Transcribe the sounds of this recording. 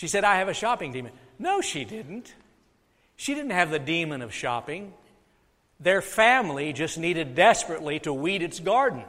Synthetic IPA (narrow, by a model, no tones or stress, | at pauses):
ʃisɛɾaɪɨvɨʃɑpɪ̃ŋdĩmɨ̃n | noʊʃidɪdⁿn̩t | ʃidɪdⁿn̩t̚hɨvðɨdĩmɨ̃nʌv̥ʃɑ̰pɪ̃ŋ | ðə˞fæ̃mlid͡ʒʌsniɾɨdɛspɹɨtˡliɾəwiɾɨtsɡ̥ɑɹdⁿn̩